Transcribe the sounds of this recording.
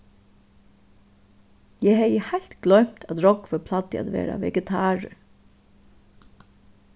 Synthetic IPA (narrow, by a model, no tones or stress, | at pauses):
jɛɦɛjəhajɬt̪ɡlœɥm̥t̪ʰæd̪ɹɔkfɔpʰlat̪ɪa̰ːd̪ʋḛːɾa̰ʋɛ̰ɡɛt̪ʰaːɹə̰